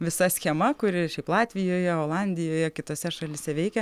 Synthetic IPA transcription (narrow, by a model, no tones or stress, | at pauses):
ʋʲɪsɐsʲxʲɛmɐkʊɾʲɪʃʲɛɪplˠɑːt̪ʲʋʲɪjoːjɛoːlˠɑnʲd̪ʲɪjoːjɛkʲɪt̪oːsʲɛʃɐlʲɪsʲɛʋʲɛɪkʲɛ